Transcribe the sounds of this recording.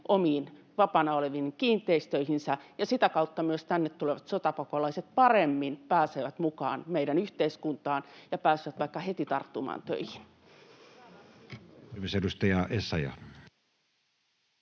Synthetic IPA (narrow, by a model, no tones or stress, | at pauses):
ʔomiːn | ʋɑpɑnɑoleʋinkiːnt̪ˑeist̪øihinsæjɑsit̪ækɑut̪ːɑmyøst̪ænːet̪t̪uleʋɑt̪sot̪ɑpokolɑiset̪̚pɑremːinpæːseːʋæt̪mukɑ̰ːnmeiɾænyht̪eiskunt̪ɑːnjɑpæːsiʋæt̪ʋɑikːɑhet̪it̪ɑrt̪ːumɑ̰ːnt̪ø̰ihin | misedust̪ɑjɑʔesːɑjɑ̰